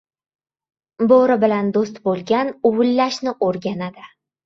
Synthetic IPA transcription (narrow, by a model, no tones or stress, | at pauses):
boɾɪbɪland̪os̬t̪bolˠɡʲanʊwʊlːaʃnɪʔoɾɡʲanad̪ɪ